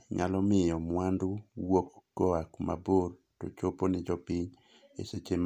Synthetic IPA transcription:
ɲalɔmɪjɔmwandʊwokɡ̥ɔakma̰bor | to̰t͡ʃoponɪd͡ʒɔpiɲ | ḛset͡ʃem

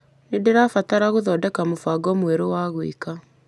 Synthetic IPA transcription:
nedeɾafataɾaɣoðɔdɛkamofaɡɔmweɾowaːɣoḭka

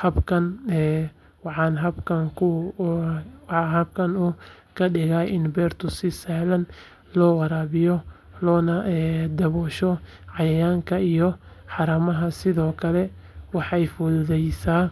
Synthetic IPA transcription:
hɐbkʰɐnɛ | wɑħɑːnɦɐbkʰɐŋkʰʊ | ɦɐb̚kʰɐnʊː | kʰɐɖɪɣaːɪnbɛːrt̪ʰʊsɪsahlɐn | lɔːwɑɾaːβɪjɔ | lɔːnɐɛːd̪ɐβɔːʃɔ | ʕɑjɐjaːŋkʰɐijɔ | ħɑɾɐmɐɦɐsɪðɔːkʰɐlɛ | wɑħɑjfɔððɛjsaː

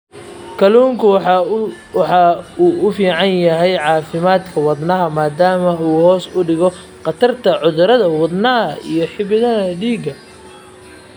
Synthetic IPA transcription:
kʰɐluːŋkʰʊ | ħɑuːʊfiːʕɑnjɐɦɛjʕɑːfɪmaːd̪kʰɐwɑd̪nɐɦɐmaːd̪aːmɐuːhɔːsʊɖɪɣɔ | qɑt̪ʰɐrt̪ʰɐʕʊðʊɾɐðɐwɑd̪nɐɦɐḭjɞħɪβɪðɐɦɐɖiːɡɐ

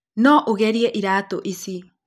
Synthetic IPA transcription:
noʔuɣeɾieʔiɾat̪oʔisi

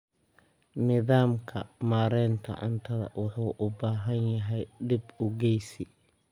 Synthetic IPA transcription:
nɪðaːmkʰɐmaːɾɛːnt̪ʰɐ̰ʕʊ̰nt̪ʰɐðɐ̰wɑħuːʔʊbaːɦɐnjɐɦɛjɖɪbʊɡɛjsi

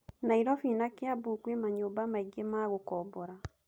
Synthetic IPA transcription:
naiɾɔfiːnakeabuːkwemaɲoːbamaiɡemaɣokɔbɔɾa

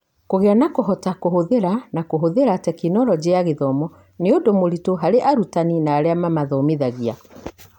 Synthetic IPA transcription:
koɣeanakoɦɔtakoɦoðeɾanakoɦoðeɾatɛkinɔɾɔd͡ʑeaɣeðɔmɔ | neodomoɾitoɦaɾeʔaɾutaninaːɾeamamaðɔmeðaɣia

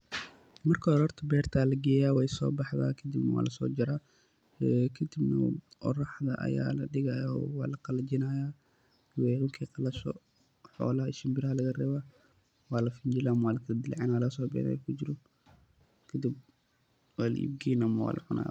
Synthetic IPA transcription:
mɐrkʰɔɾɔrt̪ʰɐbɛːrt̪ʰaːlɐɡɛːjaːwɛjsɔ̰ːbɑħða̰ːkʰɐd̪ibnɐwa̰ːlʔɐsɔːd͡ʒɐɾaː | kʰɐd̪ibnɐ̰ʔɔ̰rɑħd̪ɐ̰ʔɐ̰ja̰ːlɐɖɪɣɐjwɑːlɐqɑlɐt͡ʃɪnaːjaː | wɛʕʊŋkʰiqɑlɐʃɔ̰ | ħɔ̰ːlɐɦɐɪʃɪmbɪɾɐɦɐlɐɣɐrɛːβaː | wɑːlɐfɪɲd͡ʒɪlɐmɐwaːlɐkʰɐlɐd̪ɪlʕɛːnwaːlɐɣɐsɔːbɪ̰ja̰ːjɛ̰kʰʊd͡ʒɪɾɔ | kʰɐd̪ib̚ | waːlɐ̰ʔḭb̚ɡiːnɐmɐwa̰ːlʔɐ̰ʕʊna̰ːj

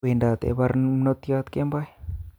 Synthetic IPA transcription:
endat̪ḛβaɾmnot̪iat̪kembaj

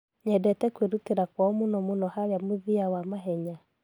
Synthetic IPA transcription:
ɲɛdɛtɛkweɾuteɾakwɔmunɔmunɔhaɾjamuðiawamaɦɛɲa

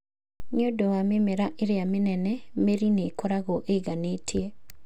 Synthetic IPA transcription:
ɲodoamɪmeɾaʔɪɾɪamɪnɛnɛmeɾinekoɾaɣɔʔeɡanetʰje

